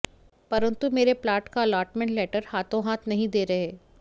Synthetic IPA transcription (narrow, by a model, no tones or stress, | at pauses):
pɐɾə̃nt̪umeːɾeplaːɾʈkaɐlaːɾʈmɛ̃ɳʈlɛːʈəɾhaːt̪õɦaːt̪ʰnɐɦĩd̪eːɾɐɦeː